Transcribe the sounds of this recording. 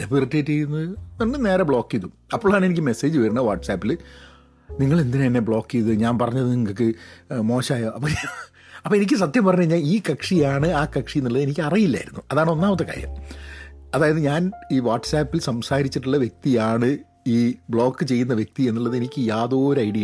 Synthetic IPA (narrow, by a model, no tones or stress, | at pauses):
d̪ebiritːejʈːe̞jːunːɐðɨnɐnːɨne̞ːɾɐbɭo̞ːkːijðumɐpːoːɭaːɳe̞nik̬ʲːɨme̞se̞ːd͡ʑɨʋɐɾunːɐʋaːʈːsaːpːil | niŋːɐɭe̞nd̪ineɐnːe̞bɭo̞ːkːijðɨɲaːnpɐrɐɲːɐðɨniŋːɐɭk̬ːɨmo̞ːɕaːjaɐpːɐː | ɐpːoenik̬ʲːɨs̬ɐt̪jɐmpɐrɐɲːɲaːniːkɐkʂijaːɳɨaːkɐkʂijnːiɭːɐðɨe̞nikʲːɨɐrijilːa̰ːiɾunːuɐðaːɳɨo̞nːaːmɐt̪ːɐka̰ːɾjɐ̰m | ɐðaːjɐðɨɲaːniːʋaːʈsaːpːilsɐmsaːɾit͡ɕːiʈːuɭːɐʋje̞k̚t̪ijaːɳɨ | iːbɭo̞ːkːɨt͡ɕe̞jːunːɐʋje̞k̚t̪ie̞nːiɭːɐðɨe̞nikʲːɨjaːðo̞ːɾɐjɽijɐ